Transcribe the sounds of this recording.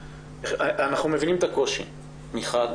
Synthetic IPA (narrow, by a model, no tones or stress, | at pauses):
eanaχnume̞vinimet̪ako̞ʃḭ | miχad̪